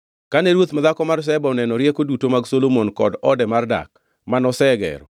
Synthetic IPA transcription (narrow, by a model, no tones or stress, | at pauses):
kaneɾwot̪mad̪akɔmars̬ɛbɔɔnɛnɔɾjɛkodutomaɡsolomonkɔdɔdɛmarda̰k̚ | manɔsɛɡɛ̰ɾɔ̰